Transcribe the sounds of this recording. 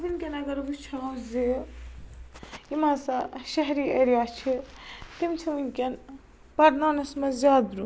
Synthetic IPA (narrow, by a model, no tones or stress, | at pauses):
ʋinkʲɐnɐɡɐɾʋut͡ʃʰawzi | imasaʃɐɦɾiɐɾijaːt͡ʃʰit̪imt͡ʃʰiunkʲen | pɐɾnanɐsmɐzʲaːd̪ɾu